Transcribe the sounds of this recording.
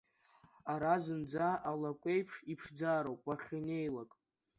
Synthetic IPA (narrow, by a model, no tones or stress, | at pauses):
aɾazɨnd͡zaʔalakʷʼe̞jpʰʂipʰʂd͡zaːɾowpʼaχʲine̞jlakʼ